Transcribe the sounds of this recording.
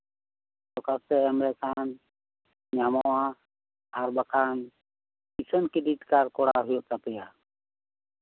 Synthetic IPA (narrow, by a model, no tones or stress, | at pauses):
t̪okast̪eːəmɾeːkaːn | ɲaːmoãː | əɾbəkʰaːn | isənkɪɗiːʈkaɾkoːɽa̰ːɦʊjoːt̪əpɪjaː